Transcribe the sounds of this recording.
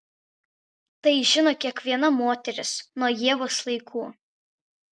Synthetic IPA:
t̪ɐɪʒʲɪnoːkʲiɛkʋʲiɛnɐmoːt̪ʲɛɾʲɪsnuɔjiɛʋoːslˠɐɪkʰuː

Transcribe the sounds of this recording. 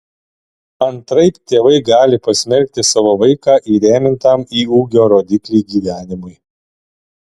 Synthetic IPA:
ɐnt̪ɾɐɪpt̪ʲeːʋɐɪɡɑːlʲɪpɐsʲmʲɛɾʲk̚ʲt̪ʲɪsɑːʋoːʋɐɪkɑːʔiːɾʲeːmʲɪnt̪ɑmiːuːɡʲoːɾoːd̪ʲɪklʲiːɡʲiːʋʲæːnʲɪmʊɪ

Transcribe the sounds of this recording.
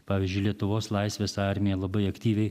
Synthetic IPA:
pɑːʋʲiːzʲd͡ʒʲʊɪlʲiɛt̪ʊʋoːslˠɐɪsʲʋʲeːsɑɾʲmʲɪjɛlˠɐbɐɪɐkt̪ʲiːʋʲɛɪ

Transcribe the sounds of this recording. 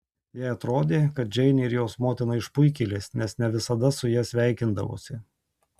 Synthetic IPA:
jæɪɐt̪ɾoːd̪ʲeːkɐt̪̚d͡ʒʲɛɪnʲeɪɾjoːsmoːt̪ʲɪnɐɪʃpʊɪkʲiːlʲeːsnʲɛsnʲɛʋʲɪsɐd̪ɐsʊjiːsʲʋʲæˑɪkʲɪnd̪ɐ̰ʋo̰sʲɪ

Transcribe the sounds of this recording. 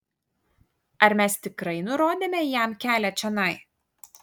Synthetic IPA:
ɐɾmʲɛst̪ʲɪkɾɐɪnʊɾoːd̪ʲeːmʲɛjæˑmkʲæːlʲɛt͡ʃʲɛnɐɪ

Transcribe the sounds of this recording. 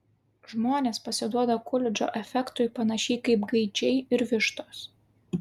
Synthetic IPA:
ʒmoːnʲeːspɐsʲɪd̪uɔd̪ɐkʊlʲɪd͡ʒʲo̰ːʔɛfʲɛkt̪ʊɪpɐnɐʃʲiːkɐɪpɡɐɪd͡ʒʲɛɪɪɾʋʲɪʃt̪oːs

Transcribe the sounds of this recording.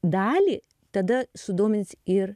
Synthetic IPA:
d̪ɑːlʲiː | t̪ɐd̪ɐsʊd̪oːmʲɪnʲsʲɪɾ

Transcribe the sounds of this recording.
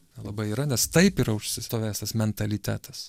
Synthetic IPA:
nʲɛlˠɐbɐɪiːɾɐnʲɛst̪ɐɪpiɾɐʊʃʲsʲɪt̪oːʋʲæːst̪ɐsmʲɛnt̪ɐlʲɪt̪ʲæ̰ːt̪ɐs

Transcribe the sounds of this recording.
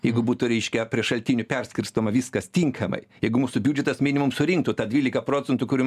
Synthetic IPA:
jɛɪɡʊbuːt̪ʊɾʲɛɪʃʲkʲɛpʲɾʲiɛʃɐlʲt̪ʲiːnʲʊpʲɛrʲsʲkʲɪɾst̪oːmɐʋʲiskɐst̪ʲiŋkʰɐmɐ̰ɪjɛɪɡʊmuːsʊbʲuːd͡ʒʲɛt̪ɐsmʲinʲɪmʊmsʊɾʲɪŋk̚t̪ʊt̪ɑːd̪ʲʋʲiːlʲɪkɐpɾoːt͡sʲɛnt̪ʊkʊɾʲu

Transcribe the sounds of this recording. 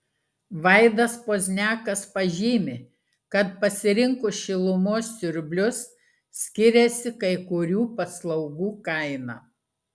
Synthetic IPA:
ʋɐɪd̪ɐspoːzʲnʲæːkɐspɐʒʲiːmʲɪ | kɐt̪pɐsʲɪɾʲɪŋkʊʃʲɪlˠʊmoːsːʲʊɾʲbʲlʲʊs | sʲkʲɪɾʲesʲɪkɐɪkʊɾʲuːpɐslˠɐʊɡuːkɐɪnɑ̰

